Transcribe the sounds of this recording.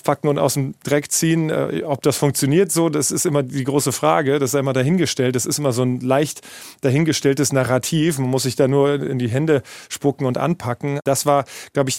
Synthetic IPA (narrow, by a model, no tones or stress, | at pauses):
pʰakŋ̩ʊnta̰ʊsdemd̥ʁɛkt͡siːənʔɛ̰ʔɔp̚d̥asfʊŋkt͡sjoniːɐtz̥oːdasɪstʔɪmɐdiːɡʁoːsəfʁ̥aːɡədasz̥aɪʔɪmɐdaɦɪnɡəʃtɛlt̚d̥asɪstʔɪmɐzoːnlaɪçt | d̥aɦɪnɡəʃtɛltəsnaʁatʰiːfmanmʊsz̥ɪçd̥aːnuːɐɪ̰ndiːɦɛndəʃpʊkŋ̩ʊntʔa̰npʰakŋ̩d̥asv̥aːɐɡ̥laʊbəɪç